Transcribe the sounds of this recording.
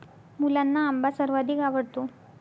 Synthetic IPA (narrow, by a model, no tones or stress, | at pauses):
muːlɐnːɐːmbɐsɐɾʋad̪iɡaːʋɐɽt̪u